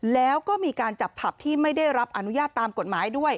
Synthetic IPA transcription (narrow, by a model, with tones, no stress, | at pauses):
lɛː˦˥wkɔː˥˩miː˧kaː˧nt͡ɕa˨˩pʰːa˨˩p̚t̪ʰiː˥˩ma˥˩jda˥˩jɾa˦˥p̚ʔa˧nu˦˥jaː˥˩t̪ːaː˧mko˨˩t̪̚maː˩˦jdu˥˩əj